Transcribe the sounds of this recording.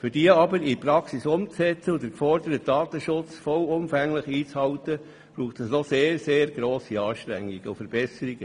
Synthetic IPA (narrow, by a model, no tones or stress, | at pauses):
fyɾdiəɑbəɾipɾɑksisʊmt͡sɛt͡səʊd̪əɾkfɔɾd̪əɾət̪̚d̥ɑːt̪əʃʊt͡sfɔwʊmfæŋləχiːt͡shɑwt̪ə | b̥ɾuːχtəsnɔseːɾseːɾɡɾoːsiɑːʃt̪ɾæ̰ŋːiɡ̥əʊfəɾb̥ɛsəɾiɡ̥ə